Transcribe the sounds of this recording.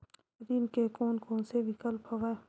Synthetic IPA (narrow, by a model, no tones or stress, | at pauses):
ɾinkekoːnkoːnseʋɪkəlpoʋa